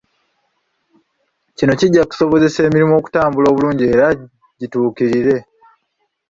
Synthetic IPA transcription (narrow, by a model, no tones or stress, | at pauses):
cino̞ciɟːaku̥so̞βo̞ze̞se̞ːmiɾimuo̞ːku̥taːmbulo̞ːβuluːɲɟie̞ːɾa | ɟituːkiɾiɾe̞